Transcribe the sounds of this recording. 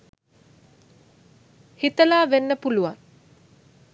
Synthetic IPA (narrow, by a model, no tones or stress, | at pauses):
hit̪əlaːʋenːəpuluʋaŋ